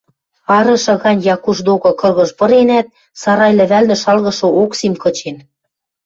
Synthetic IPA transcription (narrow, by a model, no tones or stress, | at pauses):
ɑɾɤ̆ʃɤ̆ɣɑnʲjɑkuʃd̪okɤ̆kɤ̆ɣɤ̆ʃpɤ̆ɾenæt̪̚ | sɑɾɑjlɘ̆βælnɘ̆ʃɑlɣɤ̆ʃɤ̆oksimkɤ̆t͡ɕen